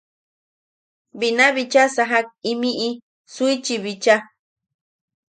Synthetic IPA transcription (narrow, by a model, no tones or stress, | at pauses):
binaβit͡ʃasaɦak̚imiʔi | suit͡ʃiβit͡ʃa